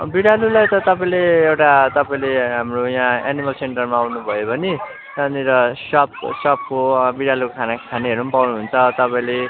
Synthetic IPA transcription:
biɽalulajt̪ʌt̪ʌpaĩleewʈat̪ʌpaĩleɦamrojaãanimʌlseɳʈʌrmaːwnubʱʌjobʌni | ʌniɾʌsʌpsʌp̚kobiɽalukʰanakʰaniɦʌɾumpawnuɦunt͡sʰʌt̪ʌpaĩle

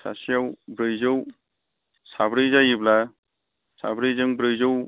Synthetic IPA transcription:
sa̰sijawbɾɯjzɯw | sabɾɯjzajibla | sa̰bɾɯjzɯŋbɾɯjzɯw

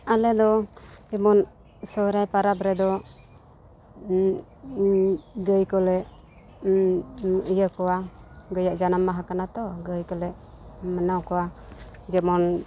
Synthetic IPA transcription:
alɛd̪ɔɛmɔn | sɔɾajpaɾapɾɛd̪ɔ | ɡəjkɔlɛʔ | əjəkɔwaɡəjaʔd͡ʒanamːaɦakanat̪ɔɡəjkɔlɛʔ | mənawkɔwad͡ʒɛmɔn

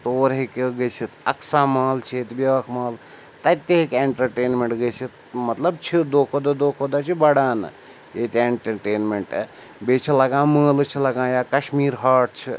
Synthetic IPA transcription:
t̪oːɾɦekeɡɐjt͡ʃʰit̪ɐksaːmaːlt͡ʃʰet̪biʋɐkʰmaːl | t̪ɐt̪eɦikeɳʈɐɾʈeːnmeɳʈɡəjt͡ʃʰit̪ | mɐt̪lɐbt͡ʃʰid̪oːkʰod̪ɐd̪oːkʰod̪at͡ʃʰibɐɽaːnɨ̰ | et̪ʲeɳʈɐɾʈeːnmeɳʈ | bet͡ʃʰilɐɡãːməːlt͡ʃʰilɐɡãːjaːkɐʃmiːɾɦaːʈ̚t͡ʃʰi

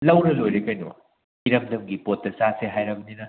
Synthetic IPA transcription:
lɐwɾɐlojɾekɐjnṵ | iɾɐmdɐmɡipotːɐsaseɦajɾɐbɐninɐ

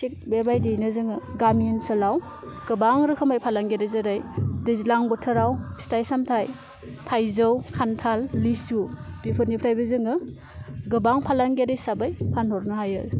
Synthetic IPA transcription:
sik̚bebajdejnɯzɯŋɯɡaminsɯlaw | ɡ̥ɯbaŋɾɯkʰɯmajpʰalaŋɡeɾajzaɾajdɯzlaŋbɔtʰɯɾawistajsamtʰaj | tʰajzɯwkʰantʰalːisubipʰɯtnipʰɾajbɯzɯŋɯ | ɡɯbaŋpʰalaŋɡedajsabajpʰanhɔɾnɯhajɯɾ

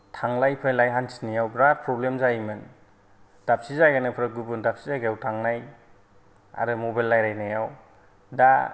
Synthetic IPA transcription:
tʰaŋlajpʰajlajɦansi̥nijawbɾad̚pʰɾɔblemzajmɯn | d̥ap̚sizajɡanɯpʰɾɯɡɯbɯndap̚sizajɡajawtʰaŋnaj | a̰ɾɯmɔbajlːajɾajnajaw | da

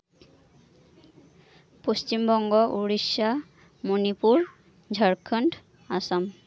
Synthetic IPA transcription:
post͡ʃimbɔŋɡɔʔuɹisa | monipuɹ | d͡ʒʱaɹkʰɔnt | asam

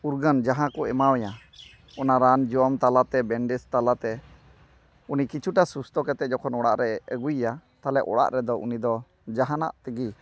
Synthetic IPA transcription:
uɾɡənd͡ʒaɦãkɔɛmawɛja | ɔnaɾand͡ʒɔɔmt̪alat̪ɛbɛɳɖɛst̪alat̪ɛ | unikit͡ʃʰuʈasust̪ɔkɛt̪ɛʔ̚d͡ʒɔkʰɔnɔɽa̰ʔɾɛəɡujːat̪alɛʔɔ̰ɽa̰ʔɾɛd̪ɔʔṵnid̪ɔ | d͡ʒaɦana̰ʔt̪əɡi

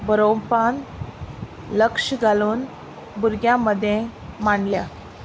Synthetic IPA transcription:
bəɾopan | ləkʂɡʱaluːn | buɾɡjaməd̪ʱjẽmaɳlja

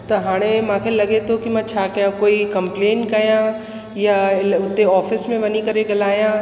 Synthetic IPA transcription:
t̪ɐɦaːɽ̃ẽmãːkʰelɐɡet̪ʰokimãt͡ɕʰaːkɐjãkoːikɐ̃mpleːnʈkɐjã | jaɪʊt̪ːeɔːfɪsmẽʋɐnikɐɾeɡɐlaːjã

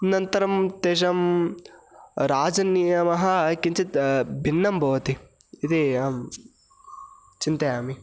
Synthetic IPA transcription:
nɐnt̪ɐɾɐmt̪eːʃ̬ɐm | ɾaːd͡ʒɐnːijɐmɐɦɐkint͡ʃit̪bʱinːɐmbʱɐʋɐt̪i | id̪i | t͡ʃint̪ɐjaːmi

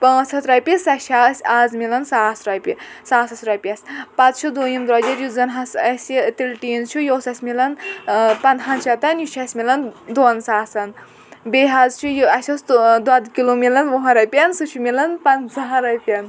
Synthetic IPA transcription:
pɐ̃sɐt̪ɾɐpʲisɐʃʰasʲaːzmilɐnsaːsɾɐjpʲisaːsɐsʲɾɐpʲɐsʲpat͡st͡ʃʰud̪oːjimd̪ɾɐd͡ʒɐɾjuzɐnɦɐsɐsʲit̪ilʈiːnzt͡ʃʰujoːsɐsʲmilɐnpɐnt̪ɦɐnt͡ʃʰɐt̪ɐnjut͡ʃʰɐsʲmʲilɐnd̪oːnsaːsɐn | beːɦazt͡ʃʰujɐsʲosd̪wad̪kilomilɐnʋɦɐ̃ɾɐjpʲɐnsut͡ʃʰumilɐnpɐnsɐɦɐɾɐjpʲɐn

